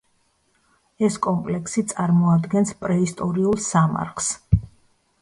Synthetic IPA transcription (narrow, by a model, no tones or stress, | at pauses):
ɛskʼɔmpʼlɛksit̪sʼaɾmɔad̪ɡɛnspʼɾɛist̪ʼɔɾiulˠsama̰ɾχs